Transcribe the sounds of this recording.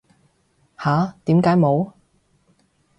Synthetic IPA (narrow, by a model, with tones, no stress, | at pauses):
haː˨˥t̪iː˨˥mkaː˨˧˥jmo˨˧w